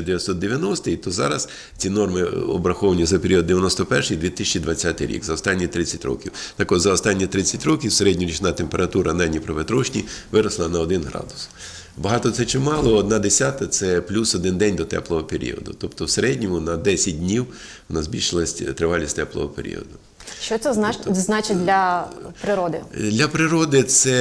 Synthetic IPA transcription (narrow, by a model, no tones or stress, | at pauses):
d̪eʋʲjɐt̪sɔd̪̚d̪eʋʲjɐnɔst̪ɪjt̪ɔzɑ̰ɾɐs | t͡sʲinɔrmɪɔ̰bɾɐxɔʋɐnʲizɐpeɾʲiɔd̪d̪eʋʲjɐnɔst̪ɔpɛrʃɪjd̪ʋʲit̪ɪsʲt͡ʃid̪ʋɐt͡sʲːat̪ɪjɾʲḭɡzɐɔst̪ɑnʲːit̪ɾɪt͡sʲːɐtʲɾɔ̰kʲiwt̪ɑkɔd̪zɐɔst̪ɑnʲːit̪ɾɪt͡sʲːɐtʲɾɔkʲiwseɾɛdʲnʲiɾʲit͡ʃɪnat̪empeɾɐt̪uɾɐnɑjnʲipɾɐʋet̪ɾɔʃnʲiʋɪɾɐslˠɐnɐɔd̪ɪnɦɾɑ̰d̪ʊ̥s | bɐɦɑt̪ɔt̪sɛt͡ʃɪmɑlˠɔɔd̪̚nɑd̪esʲat̪ɐt̪sɛplʲusɔd̪ɪnd̪ɛnʲd̪ɔt̪ɛ̰plˠɔɦɔpeɾʲḭɔ̰d̪ʊ̰t̪ɔpt̪ɔwseɾɛdʲnʲɔmʊnɐd̪ɛsʲɐt̚ʲdʲnʲiw | ɔnazʲbʲilʲʃɪlˠɐsʲt̪ɾɪʋɑlʲisʲt̪ɛplˠɔ̰ɦɔpeɾʲḭɔ̰d̪ʊ | ʃt͡ʃɔt̪sɛzznat͡ʃɪd̪ʲlʲɐpɾɪɾɔd̪ɪd̪ʲlʲɐpɾɪɾɔd̪ɪt̪sɛ